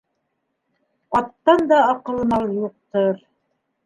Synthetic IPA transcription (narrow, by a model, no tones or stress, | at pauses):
ɑt̪ːɑnd̪ɑɑqɤ̆lˠmɑlˠjuq̚t̪ɤɾ